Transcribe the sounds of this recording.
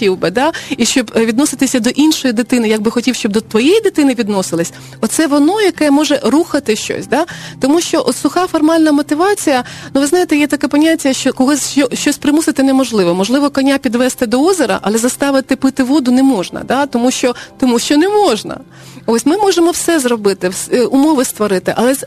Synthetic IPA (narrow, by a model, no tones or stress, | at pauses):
tʲiwbɪd̪ɑiʃt͡ʃɔbʋʲid̪nɔsɪt̪ɪsʲɐd̪ɔʔinʃɔjid̪ɪt̪ɪnɪjɐɡ̚bɪxɔtʲiwʃt͡ʃɔbd̪ɔt̪ʋɔjɛjid̪ɪt̪ɪnɪʋʲid̪nɔsɪlˠɪsʲ | ɔt̪sɛʋɔnɔjɐkɛmɔʒɛruxɐt̪ɪʃt͡ʃɔ̰sʲd̪ɑt̪ɔmuʃt͡ʃɔʔɔt̪sʊxɑfɔrmɑlʲnɐmɔt̪ɪʋɑt͡sʲijɐnuʋɪznɑjet̪ɛjɛt̪ɐkɛpɔnʲatʲːɐʃt͡ʃɔkɔɦˠɔsʲʃt͡ʃɔʃt͡ʃɔsʲpɾɪmusɪt̪ɪnɛmɔʒlˠɪʋɔmɔʒlˠɪʋɔkɔnʲːapʲid̪ʋɛst̪ɪd̪ɔɔzʲeɾɐ̰ʔɐlˠɛzɐst̪ɑʋɪt̪ɪpɪt̪ɪʋɔd̪ʊnɛmɔʒnɐ̰d̪ɑt̪ɔmuʃt͡ʃɔt̪ɔmuʃt͡ʃɔnɛmɔʒnɐ̰ | osʲmɪmɔʒemɔwsɛzɾɔbɪt̪ɪsʊmɔʋɪst̪ʋɔɾɪt̪ɪʔɐlˠɛ